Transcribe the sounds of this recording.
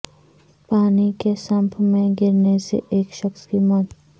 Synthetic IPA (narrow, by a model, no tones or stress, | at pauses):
paːnikesɐ̃mpʰmẽɡɪɾnesḛʔeːkʃəxskimɔt̪